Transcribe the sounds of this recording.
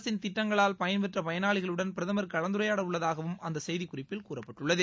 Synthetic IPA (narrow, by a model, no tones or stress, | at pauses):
sɪnt̪ɪʈːɐŋɡɐɭaːlpɐjɐnʋɛʈrɐpɐjɐnaːɭɪɣɐɭɯɽɐnpɪɾɐðɐmɐɾkɐɭɐnd̪ɯɾɐjaːɽɐʋɯɭːɐðaːɣɐʋɯmʔɐnd̪ɐsɛjðikʊrɪpːɪlkuːrɐpːɐʈːɯɭːɐðɯ